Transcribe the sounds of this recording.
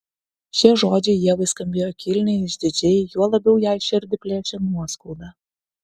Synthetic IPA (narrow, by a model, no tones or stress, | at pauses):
ʃʲeʒoːd͡ʒʲejiɛʋəjskɐmʲbʲeːjokʲilʲnʲeɪʃʲd̪ʲɪd͡ʒʲejjuɔlˠɐbʲɛwjɑjʃɪrʲd̪ʲɪpʲlʲet͡ʃʲɛnuɔskulˠd̪ɑ